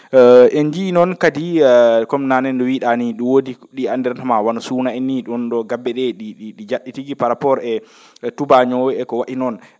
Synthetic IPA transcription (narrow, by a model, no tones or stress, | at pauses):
ʔɛɲd͡ʒinɔnkadikɔmnanɛndɔwiɗaniɗuwodi | ɗiandɛɾtamawanɔsuːnaɛniɗɔnɗɔɡabːɛɗɛɗiɗiɗid͡ʒaɗitiɡipaɾapɔɾɛ | tubaɲɔɛkɔwaʔinɔn